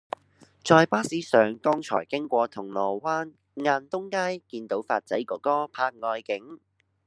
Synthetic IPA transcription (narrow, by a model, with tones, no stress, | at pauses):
t͡sɔː˧jpaː˥siː˨˥sœː˨˩ŋkɔː˥ŋt͡sʰɔ̰ː˨˩jkɪ˥ŋkʷɔː˧t̪ʰʊ˨˩ŋlɔː˨˩waː˥n | ŋaː˧nt̪ʊ˥ŋkaː˥jkiː˧nt̪o˨˥wfaː˧t̚t͡sɐ̰˨˥jkɔː˨˥kɔː˥pʰaː˧k̚ŋɔː˧jkɪ˨˥ŋ